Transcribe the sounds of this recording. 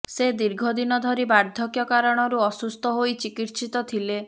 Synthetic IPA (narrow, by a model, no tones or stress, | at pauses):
sed̪iɾɡʱɔd̪inɔd̪ʱɔɾibaɾd̪ʱjɔkjɔkaɾɔɽ̃ɔɾuɔsust̪ʰɔɦojt͡ʃikit̪sit̪ɔt̪ʰile